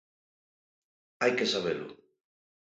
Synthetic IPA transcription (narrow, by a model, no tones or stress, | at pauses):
ajkesaβ̞elʊ̰